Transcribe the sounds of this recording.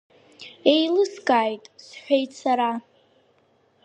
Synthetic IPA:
ejlɨskʼaːjtʼsħʷᶣejtsaɾa

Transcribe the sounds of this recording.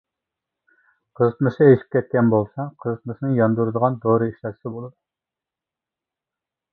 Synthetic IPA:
qʰəzɨt̪mɨʃɪeʃi̥p̚kʲɛt̪̚kʲɛnbolˠsɑqʰəzɨt̪mɨʃnɨŋjɑnd̪uɾɨd̪əʁɑnd̪oɾɨiʃlɑ̥sɪbolˠɨd̪u

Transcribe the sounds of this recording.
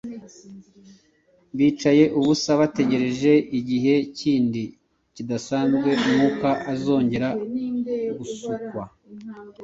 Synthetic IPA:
βiːt͡ʃaje̞ʔuβusaβate̞ɟe̞ɾe̞ʒe̞ʔiɟiɦe̞ciːndi | cidasaːnzɡwe̞umukaʔazo̞ːɲɟe̞ɾa | ɡusukwa

